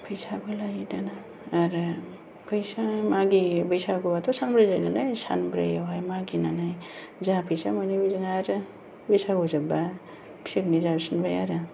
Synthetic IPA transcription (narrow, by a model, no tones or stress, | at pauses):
pʰɯjsabɯlajidanaː | ɾ | pʰɯjsamaɡibɯjsaɡɔbat̪ʰɔsanbɾɯjzajnalajsa̰nbɾɯ̰jawɦajmaɡinanajzapʰɯjsamajnibijzɯŋaɾ | bɯjsaɡɔzaba | pʰi̥siknizabsɯnbajaɾɯ